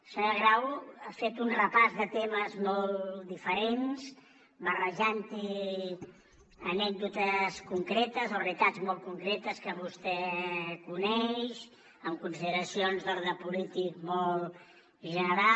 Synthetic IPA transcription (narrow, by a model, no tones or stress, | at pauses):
səəɣɾawafet̪unrəpazðət̪eməzmɔlˠd̪ifəɾens | bərəʒant̪i | ənɛk̚d̪ut̪əskuŋkɾɛt̪əzorit̪ad͡zmɔl̚ˠkuŋkɾɛt̪əskəβust̪ɛkunɛʃ | əmkunsiðəɾəsionzðəlˠðəpulit̪ik̚mɔl | ʒənəɾa